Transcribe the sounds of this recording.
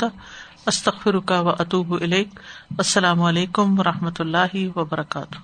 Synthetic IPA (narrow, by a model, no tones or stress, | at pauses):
t̪a | ɐst̪ɐɣfɪɾʊkawɐʔɐt̪uːbʔɪleːkɐsːɐlaːmɐleːkʊmwɐɾˤɐhmɐt̪ʊlːaːɦɪwɐbɐɾˤɐka̰ːt̪ʊ̥h